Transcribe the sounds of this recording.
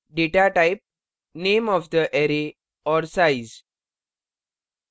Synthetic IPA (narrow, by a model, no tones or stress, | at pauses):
ɖeʈaʈajp̚ | nemɔfd̪əʔɛɾe | ɔɾsajz